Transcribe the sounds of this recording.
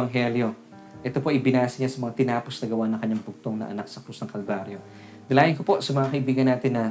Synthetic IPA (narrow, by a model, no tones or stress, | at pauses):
ɐŋɦɛljo̞ | ʔɛt̪o̞po̞ʔɪbɪnaːsɐɲasɐmɐŋat̪ɪnaːpo̞snɐɡɐwaʔnɐŋkɐɲaŋbʊɡ̚t̪o̞ŋnɐ̰ʔɐ̰nak̚sɐkɾusnɐŋkɐlbaɾjo̞ | d̪ɐlaːʔɪnko̞po̞ʔsɐmɐŋakɐʔɪbiːɡɐnːaːt̪ɪnːɐ